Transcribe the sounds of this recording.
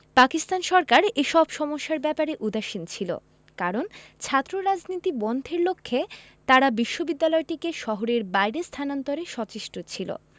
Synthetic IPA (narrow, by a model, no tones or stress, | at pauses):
pakist̪anʃɔɾkaɾeʃɔbʃɔmoʃːaɾbɛpaɾeʔud̪aʃint͡ɕʰilo̰ | kaɾont͡ɕʰat̪ːɾoɾad͡ʑnit̪ibɔnd̪ʱeɾlokʰːe | t̪aɾabiʃːobid̪ːalɔeʈikeʃɔɦoɾeɾbajɾest̪ʰanant̪oɾeʃɔt͡ɕiʃʈot͡ɕʰilo̰